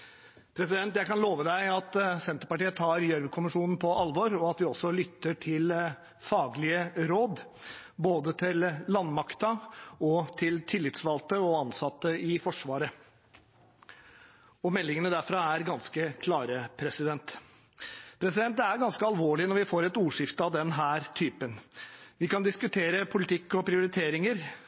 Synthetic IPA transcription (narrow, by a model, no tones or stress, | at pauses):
pʰɾɛsɪd̪ɛnt̪jæɪkɑnloːʋəd̪æɪɑt̪sɛnt̪əɾpɑʈiːət̪ʰɑːɾjœɾʋəkʰʊmɪʂuːnn̩pʰɔʔɑlʋɔɾɔɑt̪ʋɪɔsːɔlʏt̪ːəʈʰɪl | fɑːɡlɪəɾoːd̪boːd̪ət̪ʰɪlːɑnːmɑkt̪əɔt̪ʰɪlt̪ʰɪlːɪt̪sʋɑlt̪əɔɑnsɑt̪ːəɪfɔʂʋɑːɾə | ɔmɛlːɪŋənəd̪æɾfɾɑæɾɡɑnskəkʰlɑːɾəpʰɾɛsɪd̪ɛnt̪ | pʰɾɛs̬ɪd̪ɛnt̪̬æɾɡɑnskəɑlʋoːɭɪnɔɾʋɪfoːɾɛt̪uːʂɪft̪əɑʋd̪ɛnɦæːɾt̪ʰyːpənʋɪkɑnd̪ɪskʉt̪ʰeːɾəpʰʊlɪt̪ʰɪkːɔpʰɾɪʊɾɪt̪ʰeːɾɪŋəɾ